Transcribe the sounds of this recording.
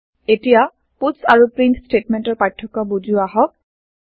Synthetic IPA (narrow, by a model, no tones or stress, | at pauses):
etija | putsaɹupɹinsstetmentɔɹpajtʰːɔkɔbud͡ʒuaɦɔk̚